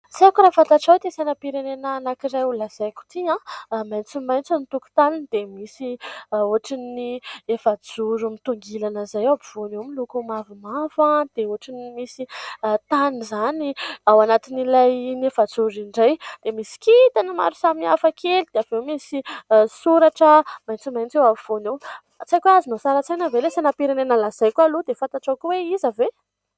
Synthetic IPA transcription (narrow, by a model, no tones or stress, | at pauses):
zakɾafat̪aʈ͡ʂawt̪esanəpiɾenenəːnakiɾajulaz̥ajku̥t̪iãmajnt͡simajnt͡sanit̪uku̥t̪anind̪̥emisioaʈ͡ʂiniefad͡zuɾumit̪uŋɡilanəzajabiv̥onewmilukumavimavad̪̥eoʈ͡ʂinimisit̪anizaniawanat̪inilajnefad͡zuɾiɳɖ͡ʐajd̪̥emisi̥kit̪anima̰ɾu̥samiafakʰelid̪eav̥ewmisisuɾaʈ͡ʂəmajnt͡simajnt͡sewaviv̥onew | t͡sajkʲazinosaɾat͡sajnəvelesanapiɾanenalaz̥ajkualud̪efãnt̪aʈ͡ʂakʲuweizave